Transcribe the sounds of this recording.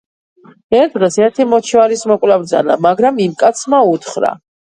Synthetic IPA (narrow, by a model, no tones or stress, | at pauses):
ɛɾd̪ʁɛsɛɾt̪ʰimɔt͡ʃʰivalismɔkʼwlabɾd̪za̰na̰maɡɾamimkʼat̪sʰmaut̪ʰχɾa̰